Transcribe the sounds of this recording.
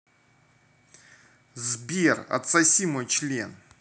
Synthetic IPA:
zbʲerɐ̰t̪sɐsʲimojt͡ɕlʲen

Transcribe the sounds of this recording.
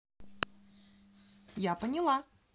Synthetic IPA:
japənʲɪlˠa

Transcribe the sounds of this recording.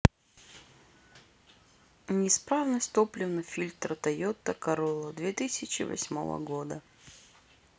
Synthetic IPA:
nʲɪspɾavnəsʲt̪oplʲɪvnəfʲilʲt̪ɾət̪ɐjot̪ːəkɐɾolˠəd̪vʲet̪ɨsʲɪt͡ɕɪ̰vɐ̰sʲmo̞̰və̰ɡo̞d̪ə

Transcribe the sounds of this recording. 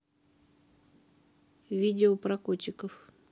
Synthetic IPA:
vʲidʲɪopɾɐkot͡ɕːɪkəf

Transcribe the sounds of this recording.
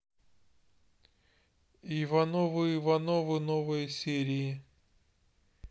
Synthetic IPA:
ivɐnovɨivɐnovɨnovɨjəsʲeɾʲɪɪ

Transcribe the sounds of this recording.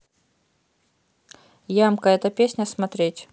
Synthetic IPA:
jamkəɛt̪əpʲesʲnʲəsmɐt̪ɾʲetʲ

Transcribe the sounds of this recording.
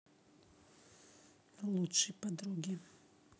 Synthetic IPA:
lˠut͡ʃipad̪ɾuɡi

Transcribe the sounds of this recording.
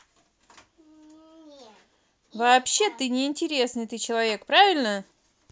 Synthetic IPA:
vɐːpɕːe̞t̪ɨnʲɪɪnʲtʲɪɾʲe̞snɨjt̪ɨt͡ɕɪlˠɐvʲe̞kpɾavʲɪlʲnə

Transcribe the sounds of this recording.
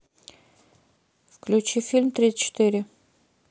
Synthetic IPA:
fklʲʉt͡ɕifʲilʲmt̪ɾʲit̪sə̥t͡ɕɪ̥t̪ɨɾʲɪ

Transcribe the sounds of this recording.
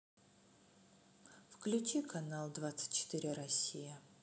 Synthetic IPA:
fklʲʉt͡ɕikʰɐnalˠd̪vat̪sɨ̥tʲt͡ɕɪ̥t̪iɾʲɪɾɐsʲijə

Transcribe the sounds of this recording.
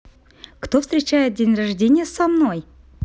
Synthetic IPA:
kt̪ofst̪ʲɾʲɪt͡ɕæjɪt̪̚dʲenʲraʐdʲenʲɪjəsamno̞j

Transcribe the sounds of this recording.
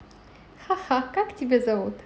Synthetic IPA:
xaxakaktʲibʲezavut̪

